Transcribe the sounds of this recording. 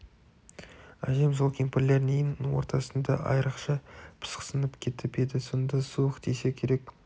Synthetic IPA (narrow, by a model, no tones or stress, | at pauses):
æ̰ʒe̞mzolˠkʲimpɪɾle̞ɾnejɪnwo̞̰ɾt̪ɑsənd̪ɑ̰ʔɑ̰jɾəqʃɑpʰə̥sqsənəpkʲʰe̞t̪ɪpe̞d̪ɪso̞nd̪ɑsuəqd̪ese̞kʲʰe̞ɾe̞k